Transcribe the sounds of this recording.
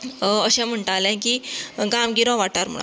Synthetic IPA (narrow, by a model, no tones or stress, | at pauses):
əɕɛ̃m̤əɳʈ̪əalẽkiːɡamɡiɾõʋaʈaɾmə̰ɭa̰